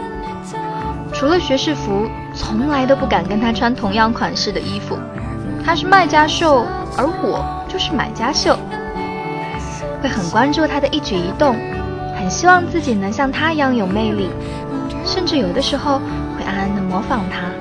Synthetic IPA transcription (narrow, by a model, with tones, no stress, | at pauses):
ʈ͡ʂʰu˧˥lə˧ɕɥɛ˧˥ʂɻ̩˥˩fu˧˥ | t͡sʰʊ˧˥ŋla˧˥ɪt̪̬o˥ʊpu˥˩ka˨˩nkə˥nt̪ʰa˥ʈ͡ʂʰwa˥nt̪ʰʊ˧˥ŋjɑ˥˩ŋkʰwa˨˩nʂɻ̩˥˩d̪ə˩ʔi˥fṵ˨˩ | t̪ʰa˥ʂɻ̩˥˧ma˥˩ɪt͡ɕja˥ʂo˥˩ʊ | ə˞˧˥xwɔ˨˩˦ | t͡ɕjo˥˧ʊʂɻ̩˥˩ma̰˨˩ɪt͡ɕja˥ɕjo˥˩ʊ | xwe˥˩ɪxə˨˩nkwa˥nʈ͡ʂu˥˧t̪ʰa˥d̪ə˨ʔi˥˩t͡ɕy˨˩i˧˥t̪ʊ˥˩ŋ | xə˨˩nɕi˥wɑ˥˧ŋt͡sɹ̩˥˩t͡ɕi˨˩nɤ˧˥ŋɕjɑ˥˩ŋt̪ʰa˥i˧˥jɑ˥˩ŋjo˨˩ʊme˥˧ɪli˥˩ | ʂə˥˧nʈ͡ʂɻ̩˥˩jo˨˩ʊd̪ə˦ʂɻ̩˧˥xo˥˧ʊ | xwe˥ɪʔa˥˩˥nə˧˥ŋmwɔ˧˥fɑ˨˩ŋt̪ʰa˥